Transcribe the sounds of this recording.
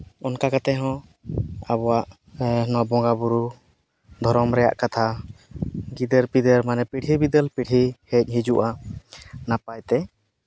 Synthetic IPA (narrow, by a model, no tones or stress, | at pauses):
ɔnkakat̪ɛɦɔ̃ | abɔwaʔ | nwabɔ̃ɡabuɾu | d̪ʱɔɾɔmɾɛja̰ʔkat̪ʰa | ɡid̪ɛɾpid̪ɛɾmanɛpiʈʰibid̪ɛlpiʈʰihɛc̚ˀɦid͡ʒuʔa | napajt̪ɛ